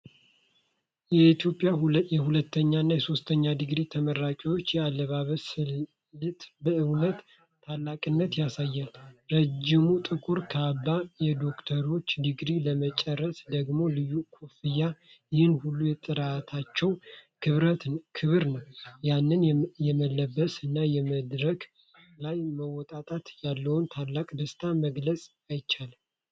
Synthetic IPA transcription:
jɛit̪jo̞pʼjajɛhulət̪ːəɲːanːajɛso̞st̪ʰəɲːad̪ɨɡɾit̪ʰəməɾakʼiwo̞t͡ʃːjɛalːəβaβəsɨ | lɨt̪bəɨwlət̪ʰː | alːakʼɨnːət̪jasajːalɾəd͡ʒɪmut̪ʼɨkʼuɾkʰəabːajɛd̪o̞kt̪ʰəɾo̞t͡ʃːd̪ɨɡɾiləmət͡ʃʼɛrːəsd̪əɡmo̞lɨjːukʰufɨja | jɪhɨnhulːujɛt̪ʼɨɾat̪ʰat͡ʃːɛwkʰɨβɾət̪kʰɨβɨɾnəwjanːɨnjɛməlːəbːəsɨnːajɛməd̪ɾək | lajməwɔt̪ʼat̪ʼat̪jalːəwunt̪ʰalːakʼd̪əst̪ʰaməɡləsʼ | ajt͡ʃːalm

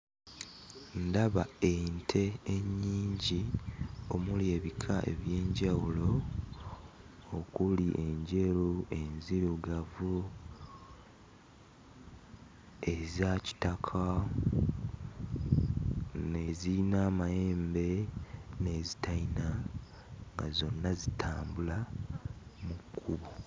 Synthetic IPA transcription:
ndaβaentʰe̞ːɲːiːɲɟio̞mulje̞ːβikʰaʔe̞̰βje̞ːɲɟawulo̞ | okuliʔe̞ɲɟe̞lue̞nziɾuɡavu | e̞zaci̥takʰa | ne̞ziinaːmaje̞ːmbe̞ne̞ːzitaina | ŋɡazo̞nːazitʰaːmbula | mukʰːuβo

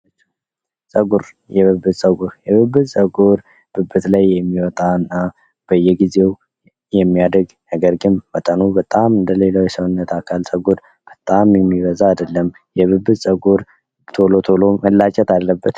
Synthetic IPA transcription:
t͡ʃː | sʼəɡuɾ | jɛβɨbɨt̪sʼəɡuɾjɛβɨbːɨsʼəɡuɾ | b̥ɨbːɨt̪lajːɛmːiwɔt̪ʼaɨnːa | b̥əjːɛɡize̞w | jɛmːijad̪əɡ | nəɡəɾɡɨnːət̪ʼənubət̪ʼamɨnd̪əle̞lawjɛsəwnːət̪ʰakʰalsʼəɡuɾ | b̥ət̪ʼamjɛmːiβəzaːd̪əlːəm | jɛβɨbːɨsʼəɡuɾ | t̪ʰolot̪ʰoloməlːat͡ʃʼɛt̪alːəbːət̪

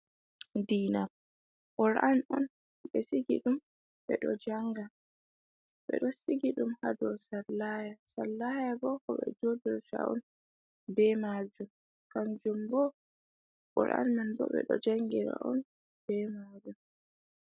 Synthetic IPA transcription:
diːna | ʔɔɾʔanɔn | ɓɛsiɡḭɗum | ɓɛ̰ɗɔ̰d͡ʒaŋɡa | ɓɛ̰ɗɔsiɡiɗumhadɔsalːajasalːajabɔkɔɓɛ̰d͡ʒodɛɾta̰ɔ̰n | bɛmad͡ʒum | kand͡ʒumbɔ | ʔɔ̰ɾʔa̰nmanbɔ̰ɓɛ̰ɗɔ̰d͡ʒaŋɡiɾa̰ʔɔn | b̥ɛmad͡ʒum

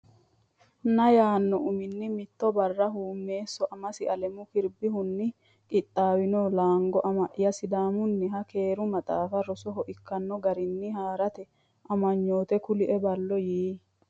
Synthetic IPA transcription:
nɐjaːnːɔʔʊmɪnːɪmɪt̪ːɔbɐrːɐɦuːmːe̞ːsːɔʔɐmɐsɪɐlɛmʊkɪɾbɪɦʊnːɪ | kʼɪt̪ʼːaːwɪnɔlaːŋɡɔʔɐmɐʔɪjɐsɪd̪aːmʊnːɪɦɐke̞ːɾʊmɐt̪ʼaːfɐɾɔsɔɦɔʔɪkːɐnːɔɡɐɾɪnːɪhaːɾɐt̪ɛ | ʔɐmɐɲːoːt̪ɛkʊlɪʔɛbɐlːɔjiː

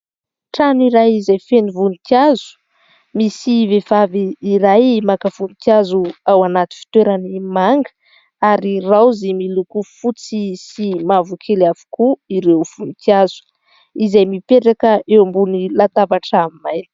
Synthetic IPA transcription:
ʈ͡ʂaniɾajizajfenivunit̪iazu̥ | misivevaviːɾajmakəv̥unit̪iazuawanat̪i̥fi̥t̪weɾanimaŋɡə | aɾirawzemilukufut͡sisimavukʰelavu̥kuiɾewfunit̪iazu̥ | izajmipeʈ͡ʂakəʔewambunilat̪avaʈ͡ʂamimajni̥

